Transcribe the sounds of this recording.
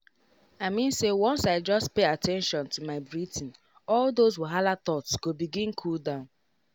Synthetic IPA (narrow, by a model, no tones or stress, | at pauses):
aɪmĩnsewɔ̃nsaɪd͡ʒʌstpeatʰɛ̃nʃɔ̃ntumaɪbɹitɪ̃n̩ | ɔldozwɪlɦalat̪ɔtsɡ̥obiɡĩnkʰuldãʊ̃n